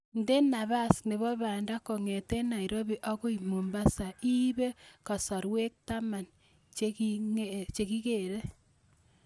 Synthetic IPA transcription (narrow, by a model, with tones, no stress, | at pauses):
nde˦na˨βa˦sne˨βɔ˦βa˨nda˦ko˨ŋe˨te˦na˨i˨ɾo˦βi˦ʔɔ˦ko˦i˨mo˨mba˦sa˨ʔi˦βe˦ka˨sɔ˨ɾwe˦k̚ta˦ma˨n | t͡ʃket͡ʃe˨ki˦ke˨ɾe˦